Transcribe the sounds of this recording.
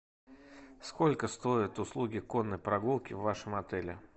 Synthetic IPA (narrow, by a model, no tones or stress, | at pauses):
skolʲkəst̪o̞ɪt̪ʊslˠuɡʲɪko̞nːəjpɾɐɡulˠkʲɪvːaʂəmɐt̪ɛlʲɪ̰